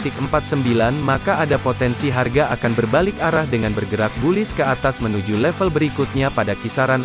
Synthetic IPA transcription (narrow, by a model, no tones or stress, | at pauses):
t̪ɪkəmpat̪̚səmbilanmakaʔadapot̪ɛnsiɦarɡaʔakanbərbalɪkaɾahdəŋanbərɡəɾak̚bulɪskəat̪asmənud͡ʒulɛfəlbəɾikut̪̚ɲapadakisaɾan